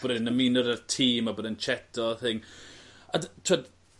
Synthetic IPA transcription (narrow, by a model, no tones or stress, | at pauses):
ɔɾnəminɔɾərtʰiːmaboːdənt͡ʃʰɛtʰɔθɪŋ | adtʰɔd